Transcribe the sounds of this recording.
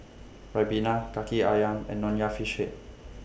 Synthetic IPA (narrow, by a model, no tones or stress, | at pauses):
ɹabinakakiajamɛ̰̃nːɔ̃njafiʃeʔ̚